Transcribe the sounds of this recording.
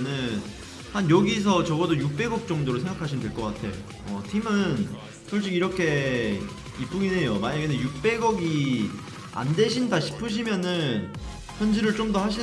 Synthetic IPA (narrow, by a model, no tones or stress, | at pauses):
nɯn | hanjʌɡis̬ʰʌt͡ɕʌɡʌdojuk̚p͈e̞ɡʌk̚t͡ɕ͈ʌŋdoɾosʰe̞ŋɡakʰaɕʰimndweɭk͈ʌk͈atʰe̞̰jo̰ | ʌtʰimɯn | tʰuɭt͡ɕ͈iɡiɾʌkʰe̞ | ip͈uɡinejomaɲaɡenɯnjuk̚p͈e̞ɡʌɡi | a̰ndeɕʰindaɕʰi̥pʰɯɕ̬ʰimjʌnɯn | çjʌnd͡ʑiɾɯɭt͡ɕ͈omdohaɕʰi